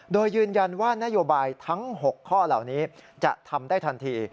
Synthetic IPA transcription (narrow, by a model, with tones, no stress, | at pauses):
doː˧jːɯː˧nja˧nwaː˥˩na˦˥ʔjoː˧baː˧jt̪ʰa˦˥ŋho˨˩kʰːɔː˥˩la̰˨˩wniː˦˥t͡ɕa̰˨˩t̪ʰa˧mdaː˥˩jt̪ʰa˧nt̪ʰiː˧